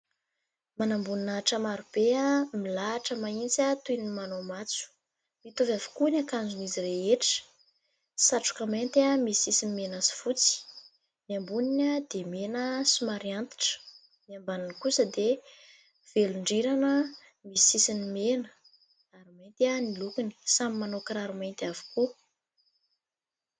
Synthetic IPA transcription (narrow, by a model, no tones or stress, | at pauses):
manambuninaʈ͡ʂamaɾub̥eamilaːʈ͡ʂəmaint͡sat̪ujnimanomat͡su̥ | mit̪uvjavu̥kunʲakand͡zunizireeʈ͡ʂə̥ | saʈ͡ʂu̥kəment̪amisisinimenasi̥fut͡si̥ | miambuninʲəd̪̥emenəsimaɾiant̪i̥ʈ͡ʂə̥ | miambaninikusəd̪e | v̥eluɳɖ͡ʐiɾanə | misisinimenə̥ | aɾimajnt̪anilukuni̥samimanokɾaɾumajnt̪avu̥ku